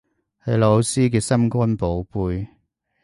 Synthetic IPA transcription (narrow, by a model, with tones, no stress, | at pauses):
hɐ˨˧jlo˨˧wsiː˥k̬ɛː˧sɐ˥mkʷɐ˥npo˨˥wpuː˧j